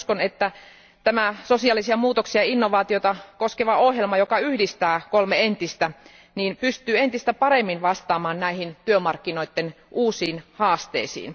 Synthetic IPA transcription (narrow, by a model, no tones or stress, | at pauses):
skonet̪ːæ | t̪æmæsosiɑlːisiɑmuːt̪oksiɑinːoʋɑːt̪iot̪ɑkoskeʋɑohjelmɑjokɑyhdist̪æːkolmeent̪ist̪æ | niːmpyst̪yːent̪ist̪æpɑɾemːinʋɑst̪ɑːmɑːnnæihint̪yømɑrkːinoit̪ːen | uːsiːnhɑːst̪ḛisḭːn